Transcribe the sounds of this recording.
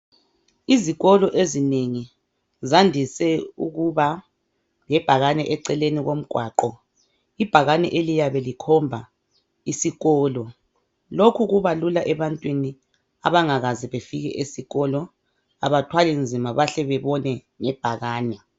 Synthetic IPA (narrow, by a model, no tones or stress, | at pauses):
iziɣɔlɔʔezineŋi | zandʱisɛṵɣuβa | ŋɛb̥ʱaɣanɛʔɛǀɛleniɣom̩ɡ̥ʱwaːǃɔ | ib̥ʱaɣanɛ̰ʔelijaβelikʰɔmbʱa | isiɣɔːlɔ | lokʰuɣuβalulaʔɛβantʼwini | a̰βaŋaɣaziβefiɣɛ̰ʔesiɣɔlɔ | a̰βatʰwalind͡zʱimaβaɬɛβɛβɔnɛ | ŋɛb̥ʱaɣaːnɛ